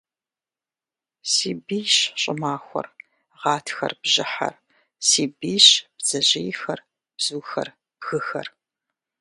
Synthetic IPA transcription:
siːbiːɕɕʼɪmaːxʷɔ̰r | ʁɑːtʰxɐ̰rb̥ʑɪħɐ̰r | siːbiːɕb̥z̥ɐʑejxɐr | b̥z̥uːxɐ̰r | xɨxɐ̰r

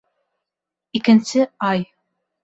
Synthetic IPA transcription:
ikɪ̆nsɪɑj

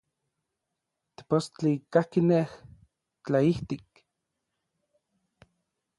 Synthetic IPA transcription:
t̪i̥post͡ɬikahkineh | t͡ɬaiht̪ik̚

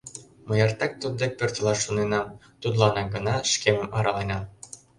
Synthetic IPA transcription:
məjɑrt̪ɑk̚t̪ud̪̚d̪ek̚pørt̪ʲəlɑʃːunenɑm | t̪ud̪lɑnɑɡɤ̆nɑʃkemə̆mʔɑɾʔɑlenɑm

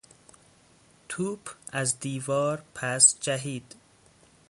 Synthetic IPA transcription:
t̪ʰuːbæzd̪iːvɒːɾpʰæsd͡ʒæɦiːd̪̥

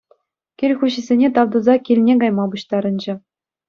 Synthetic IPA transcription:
kʲirʲxuɕɘ̆zʲenʲet̪ɑʋd̪uzɑkʲilʲnʲeɡɑjmɑbuɕt̪ɑɾɤ̆nd͡ʑɘ̆

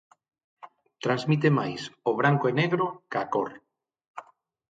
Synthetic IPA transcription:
t̪ɾãnzmit̪̬ema̰jsoβ̞ɾaŋkoeneɣɾokakoɾ

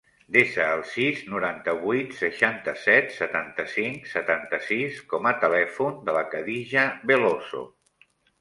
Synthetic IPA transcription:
d̪esəːlˠsiznuɾant̪əβujt̪səʃant̪əsɛt̪sət̪ant̪əsiŋksət̪ant̪əsiskɔmət̪əlɛfund̪ələkəðiʒəβeloso̰

